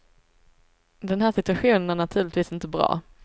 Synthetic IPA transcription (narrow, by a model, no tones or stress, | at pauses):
d̪ɛnɦæːʂɪt̪ɵaɧuːnənæɳat̪ʰʉ̟ːɭɪt̪viːsɪnt̪əbɾɑ̰ː